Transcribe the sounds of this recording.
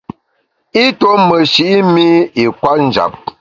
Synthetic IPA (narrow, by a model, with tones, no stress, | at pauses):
i˦to˦mə˨ʃi˨ʔi˦mi˦i˨kwa˦tn̩˦d͡ʒa̰˨p̚